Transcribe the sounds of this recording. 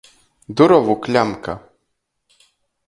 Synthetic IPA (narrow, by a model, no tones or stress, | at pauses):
d̪uɾɔvuklʲamka̰